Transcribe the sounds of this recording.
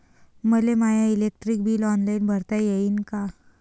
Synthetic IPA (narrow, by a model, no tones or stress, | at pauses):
məlemajailek̚ʈɾik̚bʱiːlɔnlainbʱəɾt̪ajeiːnka